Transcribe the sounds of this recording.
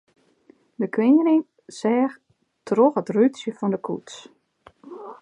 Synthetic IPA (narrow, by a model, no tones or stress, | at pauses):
dəkʰwɪŋəɾɪŋ | sɛːx | troxətrytsjəfɔndəkʰṵts